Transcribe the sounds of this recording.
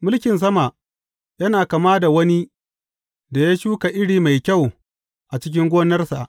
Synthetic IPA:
mʊ˦lkʲɪ˨ns̬ɐ˦ma˨ | jɐ˦naː˨ka˨maː˦da˨wɐ˦ni˦ | da˨ja˦ʃuː˦ka˨ʔɪ˦ɽiː˨ma˨jkʲa˦˨w | ʔa˨t͡ʃɪ˦k̬ʲɪ˦ŋɡʷoː˦nɐ˦rsa˨ʔ

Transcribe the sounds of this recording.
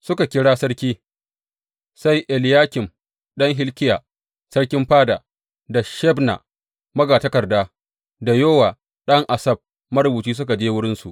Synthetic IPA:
sʊ˦ka˨kʲɪ˦ɽaː˦sɐ˦ɽkʲiː˦ | sa˦jʔɛ˨ljaː˦kʲɪ˨m | ɗɐ˦ŋɦɪ˦lkʲɪ˦jaː˨ | sɐ˦ɽkʲɪ˦mɸaː˦da˨ | da˨ʃɛ˦bna̰˨ | mɐ˦ɡaː˨tɐ˦kɐ˨rdaː˦ | da˨joː˦waː˨ | ɗɐ˦ŋʔa˨sɐ˦b̚ | mɐ˦ɾʊ˨buː˨t͡ʃiː˦s̬ʊ˦k̬a˨d͡ʒeː˦wʊ˦ɽɪ˦nsu˨ʔ

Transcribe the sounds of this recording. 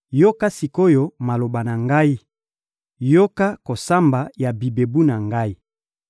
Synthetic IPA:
jo˦ka˦si˨ko˦jo˦ma˨lo˨ba˨na˨ŋɡa˦i˦ | jo˦ka˦ko˨sa˦mba˨ja˨bi˨be˨bu˦na˨ŋɡa˦i˦

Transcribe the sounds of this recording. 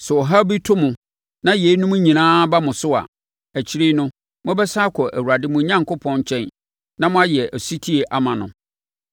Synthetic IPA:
sɛ˨ɔ˨ɦa˦bi˦tʰʊ˦mʊ̃˨ | nã˦je˨˦nũ˦m˦ɲĩ˨nãː˦ba˦mʊ̃˨sʊ˦a̰˨ | æ˨t͡ɕʰi˦ɾi˦nʊ̃˦ | mʊ̃˦bɛ˦sa˦kʷʰɔ˨ʔæ̰˨wu˨ɾa˨dɪ˦mʊ̃˨˦ɲã˦ŋkʰʊ˦pʰɔ̃˦ɲ˦t͡ɕʰɛ̃˦n | nã˦mʊ̃˦a˦jɛ˨ʔæ˨su˦tʰi˦e˨ʔa˦mã˨nʊ̰̃˨

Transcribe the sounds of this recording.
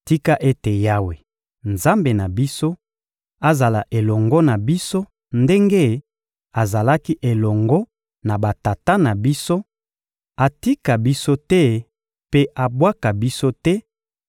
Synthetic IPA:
ti˦ka˦ʔe˦te˨ja˦we˨ | nza˦mbe˨na˨bi˦so˦ | a˦za˨la˨ʔe˨lɔ˨ŋɡɔ˦na˨bi˦so˦ | nde˦ŋɡe˦ | a˨za˨la˦ki˦ʔe˨lɔ˨ŋɡɔ˦ | na˨ba˨ta˨ta˦na˨bi˦so˦ | a˨ti˦ka˨bi˦so˦tɛ˦ | pe˦a˨bwa˦ka˨bi˦so˦tɛ˦

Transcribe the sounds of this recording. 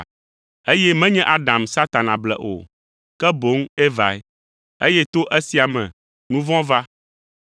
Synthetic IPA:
e˦jɛ˦mɛ̃˦ɲɛ̃˦ʔa˦ɖã˨msa˦t̪a˨nã˨blɛ̰˨ʔo̰˨ | kɛ˦bo˨˦ŋe˦va˨˦ɛ˦ | e˦jɛ˦t̪o˦ʔe˦si˨a˨mɛ̰̃˨ | nũ˦vɔ̃˦va˦

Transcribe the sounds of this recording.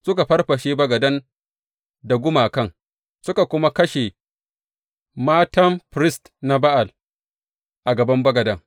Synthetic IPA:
sʊ˦ka˨ɸɐ˦rɸɐ˨ʃe˦bɐ˦ɡɐ˨dɐ˦n | da˨ɡʷʊ˦maː˨kɐ˦˨ŋ | sʊ˦ka˨kʷʊ˦ma˦kɐ˦ʃe˨ | maː˦tɐ˦mɸɾɪ˦st | na˦ba˦ʔa˨l | ʔa˨ɡɐ˨bɐ˦mbɐ˦ɡɐ˨dɐ˦ŋ

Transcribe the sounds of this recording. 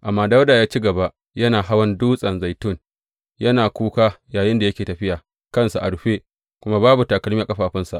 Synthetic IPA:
ʔa˨mːaː˦da˦wdaː˨jaː˦t͡ʃi˦ɡɐ˨ba˦ʔ | jɐ˦naː˨ɦa˦wɐ˦nduː˦sʼɐ˨nza˨jtʊ˦˨n | jɐ˦naː˨kʷuː˦kaː˦jaː˨jɪ˦nda˨jɐ˦kʲeː˨tɐ˨ɸɪ˦jaː˨ | kɐ˦nsa˨ʔa˨ɽʊ˨ɸeː˦ | kʷʊ˦ma˦baː˦bu˨taː˨kɐ˨lmiː˦a˨kʼɐ˦ɸaː˨ɸɪ˦nsa˨ʔ

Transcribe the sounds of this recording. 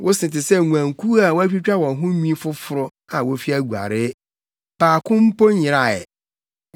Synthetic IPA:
wʔʊ˦sɪ̃˨tɪ˨sɛ˦˨ŋu˨ã˨ŋ˨kʰu˦a˨wɔ˦æ˦t͡ɕᶣi˦t͡ɕᶣa˦wɔ̃˨nɦʊ̃˦nĩ˦fʊ˦fʊ˨ɾʊ˦ | ã˨wo˦fi˦æ˦ɡu˨a̰˨ɾɪ˦ | paː˨kʰʊ̃˦m̩˦po˦ɲɪ̃˨ɾa˨ɛ̰˨

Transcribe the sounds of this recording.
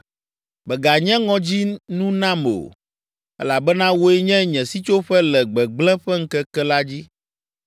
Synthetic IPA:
bɛ˨ɡa˨ɲɛ̃˦ŋɔ̃˦d͡ʑi˦nũ˦nã˦mo̰˨ | ɛ̰˦la˨bɛ˦nã˦wo˦ɛ˦ɲɛ̃˦ɲɛ̃˨si˦t͡ʃo˦ɸɛ˦lɛ˨ɡ͡bɛ˨ɡ͡blɛ̃˦ɸɛ˦ŋ̩˦kɛ˦kɛ˦la˦d͡ʑi˦

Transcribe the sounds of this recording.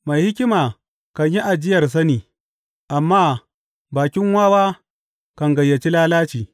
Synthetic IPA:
ma˨jhɪ˦kʲɪ˦maː˨ | kɐ˨ɲji˦ʔa˨d͡ʒɪ˦jɐ˨rs̬ɐ˦niː˨ | ʔa˨mːaː˦ | baː˨kʲɪ˦ŋwaː˦waː˦ | kɐ˨ŋɡɐ˨jːɐ˨t͡ʃi˦laː˦laː˦t͡ʃiː˨

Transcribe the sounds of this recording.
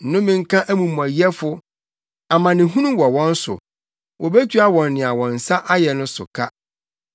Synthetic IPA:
n̩˨nʊ̃˦mɪ̃˨ŋ̩˦kʰã˦ʔæ˦mũ˨m˨æ˨jɛ˦fʊ˦ | a˨mã˨nɪ̃˨ɦũ˦nũ˦wɔ˨wɔ̃˦n̩˦sʊ̰˨ | wɔ˨be˦tʰu˦a˨wɔ̃˨nː˨ɪ̃˨a˨wɔ̃˨n̩˨sa˦ʔa˦jɛ˨nʊ̃˦sʊ̰˨kʰa˦

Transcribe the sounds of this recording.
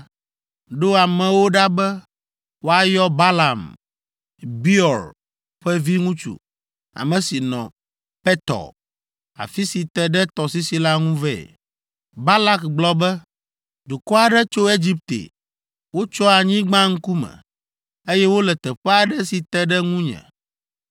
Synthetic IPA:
ɖo˦a˨mɛ̃˨wo˦ɖa˦bɛ˦ | wo˦a˨jɔ˦ba˦la˨m | bi˦ɔ˨ɾ | ɸɛ˦vi˦ŋũ˦t͡ʃṵ˨ | a̰˨mɛ̃˨si˨nɔ̰̃˨ | pɛ˦t̪ɔ̰˨ | a̰˨fi˦si˨t̪ɛ˨ɖɛ˦t̪ɔ˨si˦si˨la˦ŋũ˦vɛ̰˦˨ | ba˦la˦kɡ͡blɔ˦bɛ˦ | d̪u˨kɔ˦a˨ɖɛ˦t͡ʃo˦e˦d͡ʑi˦p̚t̪ḛ˨ | wo˦t͡ʃɔ˦a˨ɲĩ˦ɡ͡bã˦ŋ̩˦ku˦mɛ̰̃˨ | e˦jɛ˦wo˦lɛ˨t̪ɛ˨ɸɛ˦a˨ɖɛ˦si˨t̪ɛ˦ɖɛ˦ŋũ˦ɲɛ̰̃˨

